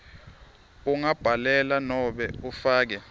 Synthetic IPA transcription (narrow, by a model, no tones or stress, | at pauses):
uŋab̥ʱalɛlanɔɓɛufaːk̬ɛ